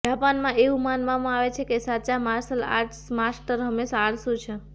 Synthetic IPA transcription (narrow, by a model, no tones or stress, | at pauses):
d͡ʒapanmãʔeũmanʋamãaʋet͡ʃʰekesat͡ʃamaɾsəla̰ʈsmasʈəɾɦəmesaɽsũt͡ʃʰe